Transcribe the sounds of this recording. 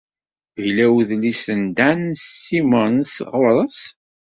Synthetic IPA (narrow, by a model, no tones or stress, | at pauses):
jlæwðlisənd̪ænsimənsʁʊɾˤəs